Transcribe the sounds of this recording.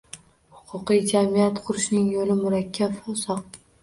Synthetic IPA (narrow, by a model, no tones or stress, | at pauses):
hʊqʰʊqijd͡ʒamijat̪qʰʊɾɪʃnɪŋjolɪmʊɾakʲʰːabfɒsɒq̚